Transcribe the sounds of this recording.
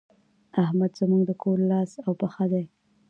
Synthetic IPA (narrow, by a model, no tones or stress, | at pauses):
ahmad̪zəmuɡd̪əkʰoɾlɑsawpəxad̪aj